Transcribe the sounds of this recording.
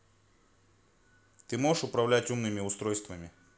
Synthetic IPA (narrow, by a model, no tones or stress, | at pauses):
t̪ɨmo̞ʐəʂʊpɾɐvlʲætʲumnɨmʲɪʊst̪ɾo̞jst̪vəmʲɪ